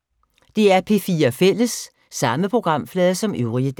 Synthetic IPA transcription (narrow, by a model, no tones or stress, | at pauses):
d̥e̝æɐpʰe̝fiːɐfel̰əsː | ɑ̈məpʰʁo̝ɡ̥ʁɑ̈m̰flɛːðˠɐsɒ̽møʊʁiəd̥